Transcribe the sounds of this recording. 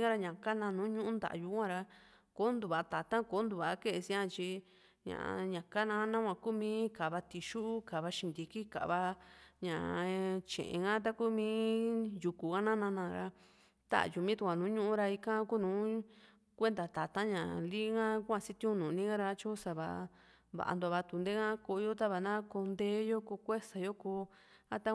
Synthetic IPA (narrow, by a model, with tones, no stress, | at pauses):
ɡa˦ɾa˧ɲã˨ka˦nã˧nũ˨˦ɲũ˦ʔũ˦nd̪a̰˨ʔju˧˦kʷã˦˧ɾa˧ | ko˦nd̪u˨βa˨˧t̪a˨t̪ã˦ko˦nd̪u˧βa˨˦ke˦˧e˧si˧ã˧t͡ʃi˧ | ɲã̰˨ʔɲã˨ka˦nã˧˦nã˦kʷã˧ku˦mĩː˧˦ka˨βa˧t̪i˧ʃu˦ʔu˦ka˨βa˧ʃĩ˧nd̪i˧ki˦ka̰˨βa˧ɲã̰˨t͡ʃḛ̃˨ʔḛ̃˧ŋã˦t̪̬a˦ku˦mĩː˦ju˧ku˨ɣa˦nã˦nã˧nã˧˨˧ɾa˧ | t̪a̰˦a̰˨ju˧˨mĩ˦t̪u˧kʷã˨nũː˨˦ɲũ˦ʔũ˦ɾa˧i˧kã˦ku˦nũː˨˦ | kʷe˦nd̪a˨t̪a˨t̪ã˦ɲã˨li˦ŋã˦kʷã˧si˦t̪ĩ˦ũ˦nũ˨nĩ˦ɡã˦ɾa˧˦t͡ʃo˦sa˧βa̰˧ | βa̰˨ʔa̰˧nd̪o˧βa˧t̪u˧nd̪e˦ŋã˦ko˧jo˦t̪a˦βa˨nã˦ko˧nd̪e˦jo˦ko˧kʷe˦sa˨jo˦ko˧˦ | a˦t̪a˦